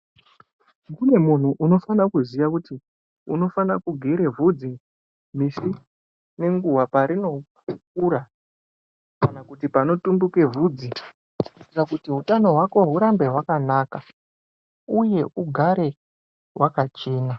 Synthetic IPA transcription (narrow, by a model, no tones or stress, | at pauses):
kune̞mun̤uʔuno̞fanakuzijakuti | uno̞fanakuɡʱeɾe̞vud͡zi | m̤isi | ne̞ŋɡuwapaɾino̞ | k̚uːɾa | kanakutipano̞tumbuke̞vuːd͡zi | rakutiɦutano̞ɦwako̞ɦuɾambe̞ɦwakanaːka | uje̞ʔuɡʱaɾe̞ | wʔakat͡ʃeːna